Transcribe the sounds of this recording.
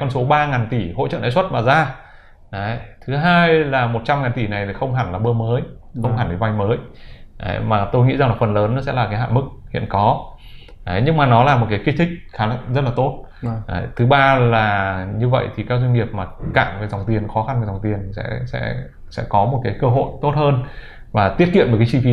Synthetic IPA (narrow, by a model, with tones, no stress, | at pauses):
kɔ˧nso˨˦ɓaː˧ŋaː˨˩nt̪i˧˩ho̰˧˥t͡ɕə̰˧˨na̰˧˥jswə˦˥t̚maː˨˩zaː˧ | ɗa˨˦jt̪ʰɨ˨˦ɦaː˧jlaː˨˩mo˨˩t̚t͡ɕa˧mŋaː˨˩nt̪i˧˩na˨˩jt̪ʰi˨˩xə˧wŋ͡mɦaː˧˩nlaː˨˩ɓəː˧məː˨˦jxə˧wŋ͡mhaː˧˩nve˨˩vwa˧jməː˨˦jʔə̰˨˦jmaː˨˩t̪o˧jŋḭ˧˥za˨˩ŋlaː˨˩fə˨˩nləː˨˦nːɔ˨˦sɛ̰˧˥laː˨˩kaː˨˦jɦa̰ː˧˨jmɨ˦˥k̚hḭ˧˨ənkɔ˨˦ | ʔə˨˦jɲɨ˧ŋmaː˨˩nɔ˨˦laː˨˩mo˨˩t̚kaː˨˦ki˧˥t̪ʰï˦˥k̟̚xaː˨˦˧zə˦˥t̚laː˨˩t̪o˦˥t̚ʔa˨˦jt̪ʰɨ˨˦ɓaː˧laː˨˩ɲɨ˧və̰˧˨jt̪ʰi˨˩kaː˦˥k̚zwa˧ŋi˨˩əp̚maː˨˩kaː˧˩ŋve˨˩za˨˩wŋ͡mt̪i˨˩ənxɔ˨˦xa˧nvza˨˩ŋ͡mt̪i˨˩ənsɛ̰˧˥sɛ̰˧˥ | sɛ̰˧˥kɔ˨˦mo˨˩t̚kaː˨˦jkəː˧ɦo̰˧˨jt̪o˦˥t̚həː˧n | vaː˨˩t̪i˦˥ət̚kḭ˧˨nmoː˨˩kːaː˨˦t͡ɕi˧fi˧